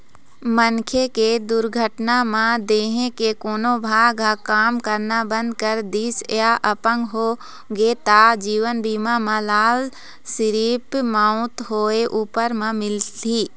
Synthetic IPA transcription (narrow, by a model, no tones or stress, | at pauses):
mənkʰeked̪ʊɾɡʱəʈnamãd̪eːɦẽkekoːnobʱaːɡakaːmkəɾnabə̃nd̪̚kəɾd̪iːsjaʔɐpə̃ŋɡɦoː | ɡeːt̪ad͡ʒiːʋənbiːmamãlaːl | sɪɾiːpmãːʊ̃t̪ɦoːeʔuːpəɾmãmɪlt̪ʰiː